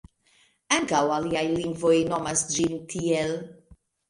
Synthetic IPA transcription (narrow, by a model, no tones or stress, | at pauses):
ãŋɡawaliajlĩŋvoinɔmasd͡ʒimtʰiɛl